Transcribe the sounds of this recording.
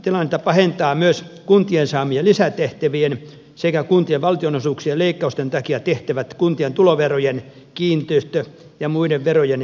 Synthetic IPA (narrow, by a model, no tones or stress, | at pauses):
t̪ilɑnːet̪ːˑɑpɑhent̪ɑːmyøs | kunt̪iensɑːmielisæt̪eht̪æʋien | sekækunt̪ieʋʋɑlt̪ionosuːksieleikːɑust̪ent̪ɑkiɑt̪eht̪æʋæt̪kunt̪ient̪uloʋerojen | kiːnt̪yst̪ø | jɑmuideʋʋerojen